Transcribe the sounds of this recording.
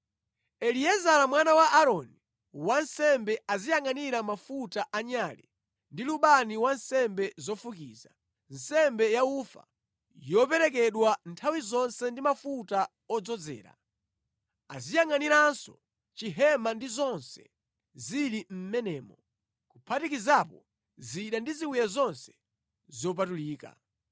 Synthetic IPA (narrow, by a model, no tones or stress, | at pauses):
ɛliɛzalamwanawaʔaɾɔni | wansɛmbɛazijaŋaniɾamafutaʔaɲaːli | ndiluɓaniwansɛmbɛzɔfukḭːza | n̩sɛmbɛjaufa̰ | jɔpɛɾɛk̬ɛɗwantʰawizɔnsɛndimafuta | ɔd͡zɔd͡zɛ̰ːɾa̰ | a̰zijaŋaniɾansɔ | t͡ʃiɦɛmandizɔnsɛ̰ | zilim̩mɛnɛːmɔ | kupʰatikizapɔ | ziɗandiziwujazɔnsɛ̥ | zɔp̬atuliːka̰